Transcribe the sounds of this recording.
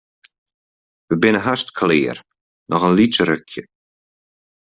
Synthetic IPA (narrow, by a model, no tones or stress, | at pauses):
ʋəbɪnəɦastkʰlɪːəɾ | nʔɔχənlit͡ʃəɾʏkʰjə